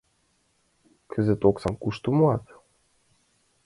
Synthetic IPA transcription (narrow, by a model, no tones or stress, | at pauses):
kʰə̆zĕt̪oksɑmkuʃt̪umoɑt̪